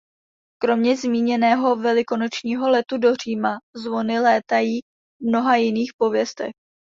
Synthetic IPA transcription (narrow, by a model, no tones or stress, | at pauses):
kɾo̞mɲɛzmiːɲɛnɛːɦo̞vɛlɪko̞no̞t͡ʃɲiːɦo̞lɛt̪udo̞r̝iːmazvo̞nɪlɛːt̪ajiː | vmno̞ɦajɪniːxpo̞vjɛst̪ɛ̰x